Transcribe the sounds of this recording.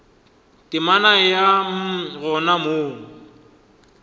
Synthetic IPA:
tʼɪmanajam̩ɣɔnamoːŋ̩

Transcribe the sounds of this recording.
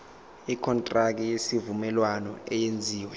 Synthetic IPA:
ikʰɔntʼrak̬ʼijesivumɛlwanɔ̰ɛjend͡zʱiːwɛ

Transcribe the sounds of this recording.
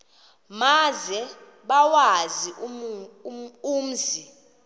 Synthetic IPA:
mazɛ | ɓawazi | um̩zi

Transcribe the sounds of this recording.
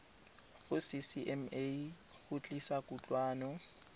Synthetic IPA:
ɣʊsɪsiʔɛme | ɣʊt͡ɬʼisakʊt͡ɬʼwaːnɔ

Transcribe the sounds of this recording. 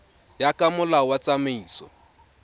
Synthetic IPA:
jakʼamʊlawat͡sameiːsɔ̰

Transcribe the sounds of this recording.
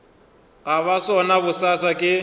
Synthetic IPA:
ɣaβasɔnaβʊsasakʼɪ

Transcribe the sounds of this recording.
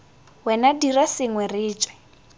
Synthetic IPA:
wɛnadirasɪŋwɛriːt͡ʃʼwɛ̥

